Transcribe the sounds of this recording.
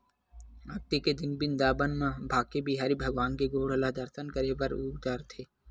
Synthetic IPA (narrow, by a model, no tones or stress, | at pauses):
ɐk̚t̪iked̪ɪnbɪnd̪aːbənmãbʱaːkːebiɦaːɾibʱɐɡʋaːnkeɡoːɽəlad̪ɐɾt̪ʰənkəɾebɐɾuːɡd̪aɾt̪ʰeː